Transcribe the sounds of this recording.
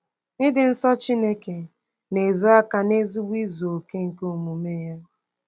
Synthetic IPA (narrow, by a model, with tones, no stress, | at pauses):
nɪ˦dɪ˨n̩˦sɔ˦t͡ʃi˦ne˦ke˨ | ne˨zo˦a˦ka˨ne˦zi˦ɡ͡bʷi˦zo˨o˨ke˦ŋ̩˨ko˦o˨mu˨me˦ja˦